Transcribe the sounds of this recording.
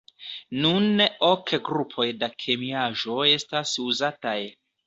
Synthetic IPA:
nuno̞kɡɾupʰo̞jdakʰe̞miaʒo̞e̞stasuzataj

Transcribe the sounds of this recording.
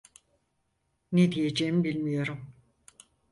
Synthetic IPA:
ned̪ijed͡ʒeːimbilʲmijo̞ɾum

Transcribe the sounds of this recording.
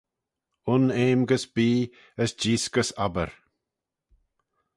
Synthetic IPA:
ʊneːmɡəsbiː | əsd͡ʒiːsɡəsabə̰ɾ

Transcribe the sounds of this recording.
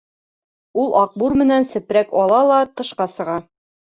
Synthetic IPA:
ulˠʔɑq̚buɾmɘ̆nænsɘ̆pɾækɒlˠɑlˠɑt̪ɤ̆ʃqɑsɤ̆ʁɑ

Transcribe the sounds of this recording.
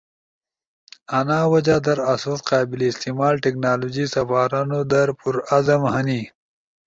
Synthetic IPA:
anaːwad͡ʒad̪ɐɾasuːt̪qɑːbɪleːst̪imaːlʈeknaːloːd͡ʒisɐfaːɾanod̪ɐɾpʊɾazɐmhɐni

